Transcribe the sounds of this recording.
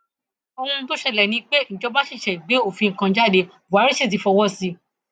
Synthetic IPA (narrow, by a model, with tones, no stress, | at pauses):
o˧hũ˧˦to˦ʃɛ˧˨lɛ˨nĩ˧˦k͡pe˦n̩˨d͡ʒɔ˧ba˦ʃi˦˨ʃɛ˨ɡ͡be˨˦o˦˨fi˧ŋ̩˨kã˧˦d͡ʒa˦˨de˧ | vu˨a˨˦ɾi˦ʃi˦˨t̬i˨fɔ˧wɔ˦si˧